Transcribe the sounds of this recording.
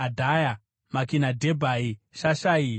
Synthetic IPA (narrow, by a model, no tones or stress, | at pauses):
adʱaja | makinadʱebʱaiʃaʃai